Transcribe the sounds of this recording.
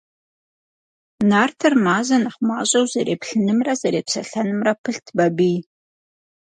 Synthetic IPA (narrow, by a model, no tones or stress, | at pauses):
naːrtʰɨrmaːʑɐnɐχmaːɕʼɐwzɐɾeːpɬɨnɨmrɐzɐɾeːpɕʰɐɬɐnɨmrɐpʰɨɬtʰbɐbiː